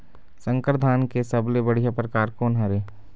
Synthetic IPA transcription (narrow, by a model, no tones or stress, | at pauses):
sə̃ŋkəɾd̪ʱaːnkesɐblebəɽ̤ijapɾəkaːɾkoːnɦɐɾeː